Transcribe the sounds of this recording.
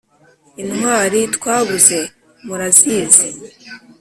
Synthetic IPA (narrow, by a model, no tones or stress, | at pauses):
inwaːɾitwaːβuze̞ | muɾaziːze